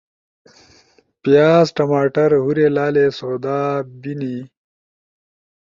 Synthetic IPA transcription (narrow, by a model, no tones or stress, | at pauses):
pijaːzʈɐmaːʈɐɾɦuɾelaːlesoːd̪aːbini